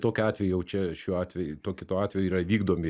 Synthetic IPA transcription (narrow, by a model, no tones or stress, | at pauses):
t̪oːkʲʊɑːt̪ʲʋʲɛjʊjɛʊt͡ʃʲɛʃʲuːɑːt̪ʲʋʲɛjʊt̪oːkʲɪt̪oːɑːt̪ʲʋʲɛjʊiːrɐʋʲiːɡd̪oːmʲɪ